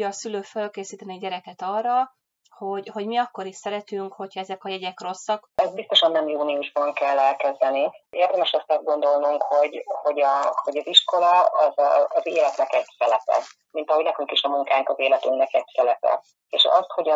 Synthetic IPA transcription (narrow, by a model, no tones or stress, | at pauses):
ɒsyløːfølkeːsiːt̪ɛniɛɟɛɾɛkɛt̪ɒːrːɒ | ho̞ɟho̞ɟmiɒkːo̞ɾiʃsɛɾɛt̪yŋkho̞chɒɛzɛkɒjɛɟɛkro̞sːɒkɛzt̪bist̪o̞ʃɒnːɛmjuːniuʒbɒŋkɛlːɛlkɛzd̪ɛnieːrd̪ɛmɛʃɛst̪ɒzd̪ɡo̞nd̪o̞lnuŋkho̞ɟho̞ɟɒho̞ɟɒziʃko̞lɒɒzːzeːlɛt̪nɛkɛɟsɛlɛpɛ̰ | mint̪ɒɦoɟnɛkyŋkiʃɒmuŋkaːŋkɒzeːlɛt̪yŋnɛkɛɟsɛlɛpɛ̰ | ḛːʃɒ̰st̪ho̞ɟɒ